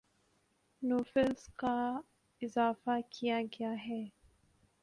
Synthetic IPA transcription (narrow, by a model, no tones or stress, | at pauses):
nuːfɪlska | ɪzaːfakʰijaɡjaɦɛː